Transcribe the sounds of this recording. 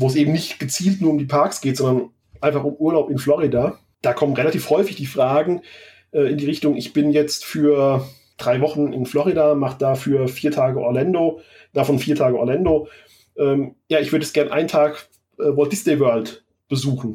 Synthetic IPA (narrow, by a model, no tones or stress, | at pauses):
voːs̬ʔeːbm̩nɪçtɡ̥ət͡siːltnuːɐʊmdiːpʰaɐksɡ̥eːtz̥ɔndɐn | ʔaɪnfaχʊmʔuːɐlaʊpɪnflɔʁidaː | d̥aːkʰɔmənʁelatʰiːfhɔʏfɪçd̥iːfʁ̥aːɡŋ̩ | ʔɛːɪndiːʁɪçtʊŋʔɪçb̥ɪnjɛt͡stfyːɐ | d̥ʁaɪvɔχn̩ɪ̰nflɔʁidaːmaχəd̥aːfyːɐfiːɐtʰaːɡəʔɔ̰ɐlandoː | d̥afɔnfiːɐtʰaːɡəʔɔɐlandoː | ʔɛːmjaːɪçvʏɐdəɛsɡ̥ɛɐnʔa̰ɪntʰaːk | ʔɛːvɔd̥ɪsneɪvœɐlt | b̥əzuːχn̩